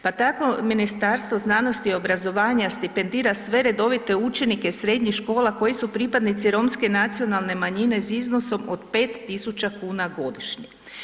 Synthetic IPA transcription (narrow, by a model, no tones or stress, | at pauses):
pat̪ako̞minist̪aɾst̪ʋo̞znaːno̞st̪io̞bɾazo̞ʋaːɲast̪ipe̞nd̪iːɾasʋe̞ɾe̞d̪o̞ʋit̪e̞ut͡ʃe̞nike̞sɾe̞d̪ɲixʃko̞ːlˠako̞jisupɾipad̪nit̪siɾo̞mske̞nat̪sijo̞nalˠne̞maɲine̞sizno̞so̞mod̪pe̞ːt̪ːisut͡ʃakuːnaɡo̞d̪iʃɲi